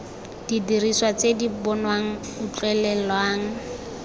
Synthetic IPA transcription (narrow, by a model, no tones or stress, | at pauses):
d̥idiriswat͡sedibɔnwaŋ̩ | ut͡ɬʼwɛlɛlwaːŋ̩